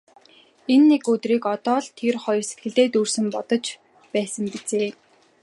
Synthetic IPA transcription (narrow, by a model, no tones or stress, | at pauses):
enːekɵt̪riːkɔt̪ɔːɮt̪ʰerχɔj̆rse̥t̪ɡɘ̆ɮt̪eːt̪ursɘ̆mpɔt̪ɞ̆t͡ɕ | pæːsə̆mpit͡seː